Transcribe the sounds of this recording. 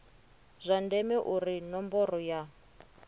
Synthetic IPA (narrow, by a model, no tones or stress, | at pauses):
zʷandɛmɛʔurinɔmbɔrɔja